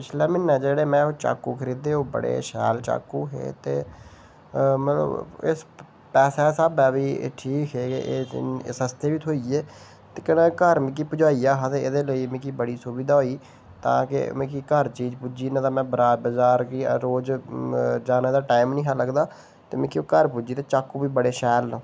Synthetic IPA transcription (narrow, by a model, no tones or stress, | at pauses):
pɪt͡ʃʰlɛːmɪnːɛ̃ːd͡ʒeːɽeːmɛ̃ːoːt͡ʃa̰ːkuːkʰəɾiːd̪eːɦoːbə̰ɽḛːʃɛ̰ːlt͡ʃa̰ːkuːɦḛːt̪ḛː | məə̰ɪ̰s | pɛːsɛːsəbɛːʋiːʈʰiːkɦeːkḛʔeːsəst̪eːʋiːt̪ʰoːieː | t̪eːkənãːkəɾmɪ̃k̬iːpʊd͡ʒaːiːaːɦaːt̪eːɪd̪eːləiːmɪ̃ːkiːbəɽiːsʊbiːd̪aːɦoːiː | t̪ã̰ːkɪ̰mɛ̃ːkiːkəɾt͡ʃiːd͡ʒpud͡ʒiːnãːt̪ãːmɛ̃ːbəɾaːbəzaːɾkiːɾoːd͡ʒ | d͡ʒaːneːd̪aːʈaːɪmnĩːɦaːləɡd̪aː | t̪eːmɛ̃ːkioːkəɾpud͡ʒiːt̪eːt͡ʃaːkuːbiːbəɽeːʃɛːlː